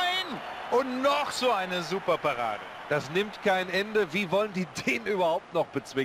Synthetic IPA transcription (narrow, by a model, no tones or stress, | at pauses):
ɪn | ʔʊntnɔχz̥oːaɪnəzuːpɐpaʁa̰ːdə | d̥asnɪmtkʰaɪnʔɛndəviːvɔləndiːdeːnʔyːbɐhaʊp̚tnɔχb̥ət͡sv̥ɪ